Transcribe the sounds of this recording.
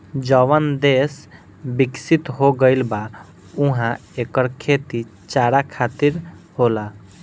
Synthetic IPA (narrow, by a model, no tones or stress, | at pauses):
d͡ʒəʋənd̪es | bɪksit̪ɦoɡəɪlba | ʊɦã | eːkəɾkʰeːt̪it͡ʃaːɾakʰaːt̪iɾ | hoːla